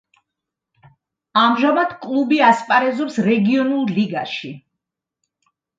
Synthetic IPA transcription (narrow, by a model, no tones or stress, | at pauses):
amʒamad̪̥kʼlˠubiaspʼaɾɛzɔpsɾɛɡiɔnulˠliɡaʃi